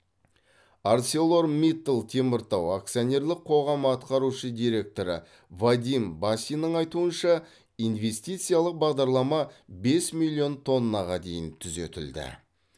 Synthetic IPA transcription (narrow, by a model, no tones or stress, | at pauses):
art̪selˠo̞ɾmit̪ːəlˠt̪ʰe̞mɪɾt̪ɑwak̚t̪sɨionʲe̞ɾlˠɪqʰo̞ʁɑməɑt̪qɑɾuʃəd̪ijɾe̞k̚t̪o̞ɾə̰ | vad̪ʲimbasʲijnəɴɑjt̪uənʃɑ | ijnve̞st̪ijt̪sɨjalˠəq̚bɑʁd̪ɑɾlˠɑmɑbe̞smilʲːijo̞nt̪ʰo̞nːɑʁɑd̪e̞jɪnt̪ʰʏzet̪ɪld̪ɪ̰